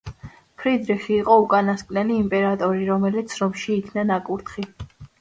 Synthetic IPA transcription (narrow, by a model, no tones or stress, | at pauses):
pʰɾid̪ɾiχiːqʼɔukʼanaskʼnɛliːmpʼɛɾat̪ʼɔɾiɾɔmɛlit̪sʰɾɔmʃiːkʰnanakʼuɾt̪ʰχi